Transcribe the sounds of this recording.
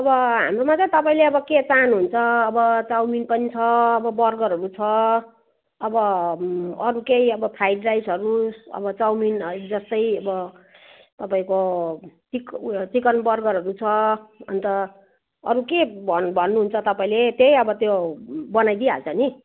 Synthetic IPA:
ʌbʌɦa̰mromat͡sat̪ʌpaĩleʌbʌket͡sanuɦunt͡sʰʌːbʌt͡sawminpʌnit͡sʰʌːbʌbʌrɡʌɾʌɾut͡sʰʌ | ʌbʌ | ʌɾukejʌbʌpʰɾaiɖrajsɦʌɾuʌ̰bʌt͡sawmind͡zʌst̪ʌjʌbʌ | t̪ʌpaĩkot͡sikt͡sikʌnbʌrɡʌɾʌɾut͡sʰʌʌ̰nt̪ʌ | ʌ̰ɾukebbʱʌnːuɦunt͡sʰʌt̪ʌpaĩlet̪jejʌbʌt̪jobʌnajd̪ia̰t͡sʰʌni

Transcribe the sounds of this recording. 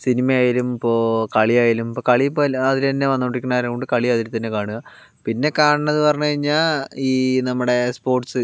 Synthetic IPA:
sinimɐjaːjiɾumipːo̞ːkɐɭijaːjiɾumipːoːkɐɭipːoːlɐðiɾɐnːeʋɐnːuʈːikʲːunːaːɾekoɳɖɨkɐɭiɐðiɾut̪ːɐnːe̞kaːɳuɣɐ | pinːe̞kaːɳɨɳːɐðupɐrɐɲːukɐɻiɲːaːliːnɐmːuɽe̞spo̞ːrʈsɨ

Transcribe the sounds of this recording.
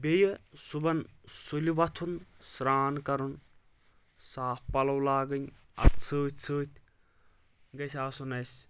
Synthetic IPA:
bʲejɐsubɐnsulʲiʋɐt̪ʰunsɾaːnkɐɾun | saːppɐlɐwlaːɡɨnʲ | ɐ̰bt͡sʰɨːt̪̚ʲʰt͡sʰɨːt̪ʰʲ | ɡɐsʲaːsunɐjsʲ

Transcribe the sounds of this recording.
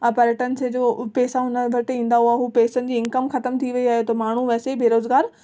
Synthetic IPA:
ɐpɐɾəʈənɪ̆sed͡ʑoːpeːsaɦʊnəʋɐɾt̪ɪĩːn̆d̪aɦuaːɦuːpeːsənɪ̆d͡ʑiːɪ̃ŋkəmxɐt̪əmt̪ʰiʋɐiaːɦet̪ʰomaːɳ̤uʋɛːsebeːɾoːzɡaːɾ

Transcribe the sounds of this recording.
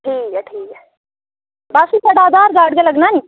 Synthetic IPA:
ʈʰiːkɛʈʰiːkɛ | baːʃipɐɽaːd̪aːɾɡaːɽɡelɐɡnani

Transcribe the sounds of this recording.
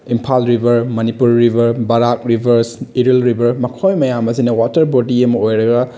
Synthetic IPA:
impʰalɾibʱɐɾmɐnipuɾːibʱɐɾbɐɾak̚ɾibʱɐɾsiɾilɾibɐɾmɐkʰojmɐjamɐsinɐwatɐɾbodiɐmɐojɾɐɡɐ

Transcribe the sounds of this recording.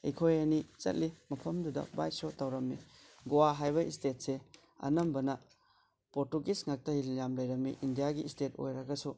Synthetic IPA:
ḛkʰojɐnit͡ʃɐ̰t̚limɐpʰɐmdudɐ̰ba̰jsotɐwɾɐmːi | ɡowaɦajbɐistet̚se | ɐ̰nɐmbɐnɐ | poɾtuɡisŋak̚tɐhiljamlɐjɾɐmːḭʔindijaɡiːsteto̰jɾɐɡɐsu

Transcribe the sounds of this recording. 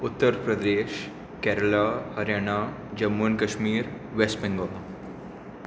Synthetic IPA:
ʊt̪ːəɾpɾəd̪eːʃ | kɛːɾəlahɐɾjaːɳ̃a | d͡ʒɐmːunkɐʃmiːɾ | ʋesʈbɛ̃ŋɡona

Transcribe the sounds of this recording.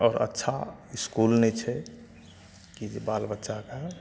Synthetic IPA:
ɔːɾə̰tːʃʰaiskulnɛt͡ʃʰɛ | kid͡ʒbalbətːʃaka

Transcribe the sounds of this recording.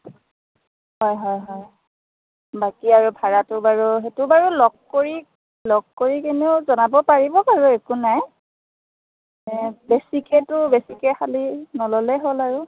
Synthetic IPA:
hɔjɦɔjɦɔj | bakiaɹubʱaɹatʊbaɹuɦetʊbaɹulɔɡ̚koɹi | lɔɡ̚koɹikeneʊzɔnabɔpaɹibɔpaɹuekunaj | ɛbesikɛtʊbesikɛxʰalinɔlɔlɛɦolaɹu

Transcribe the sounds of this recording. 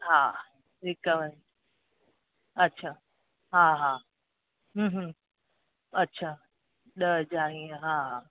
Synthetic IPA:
ɦaː | ɪkəʋən | ɐtːɕʰaː | ɦaːɦaː | ɦũːɦ̩ | ɐtːɕʰaː | ɗəd͡ʒaːɦĩəɦaɦa

